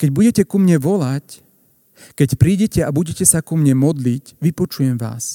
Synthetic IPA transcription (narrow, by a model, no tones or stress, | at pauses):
kɛɟbuɟɛcɛkumɲɛʋɔlac | kɛcpɾiːɟɛcɛabuɟɛcɛsakumɲɛmɔd̪licʋipɔt͡ʃujɛmʋa̰ːs